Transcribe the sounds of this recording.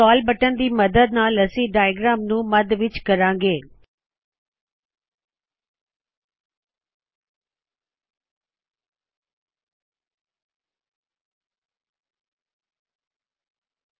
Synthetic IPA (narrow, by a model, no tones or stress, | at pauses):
aːlbɐʈənd̪iːmɐd̪əd̪̚nãːlɐsiɖaːjɡɾaːmnũːmɐd̪ʋɪt͡ʃkɐɾãːŋɡeː